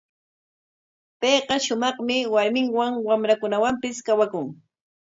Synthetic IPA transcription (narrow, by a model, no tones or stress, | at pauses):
pejqɑʃʊmɑχmɪwaɾmɪŋwaŋwamɾakʊnawampɪskawakʊŋ